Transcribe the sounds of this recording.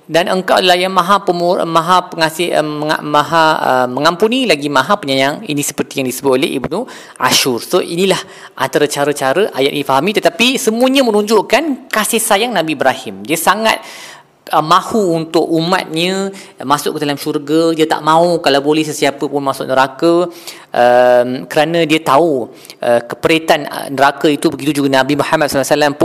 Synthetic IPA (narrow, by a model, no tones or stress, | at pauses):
danəŋkawʔdalajamaɦapəmumãɦapəŋasɪəəa̰maɦaə̰məŋampunilaɡimãɦapəɲajaŋḭnĩsə̥pərt̪ijaŋdisəbʊt̪olḛɦḭbnu | ʔa̰ʃʊrsoʔinĩlah | ʔa̰nt̪aɾat͡ʃaɾət͡ʃaɾəʔajat̪ʔinifaɦamĩt̪ət̪apisəmuəɲamənũɲd͡ʒʊʔkankasɪhsajaŋnãbibɾahɪmdiəsaŋa̰t̪̚ | əmãhuːnt̪ʊkuma̰t̪̚ɲə̃ | masʊʔkədalamʃurɡədiət̪a̰ʔmãukalawbolɛhsəsiapəpʊnmasʊʔ̚nəɾakə | ʔəmkəɾanãdiət̪au | ʔəkə̥pəɾet̪an̰nəɾakəit̪ubəɡit̪ud͡ʒuɡanabimuħamat̪̚slsəlampʊ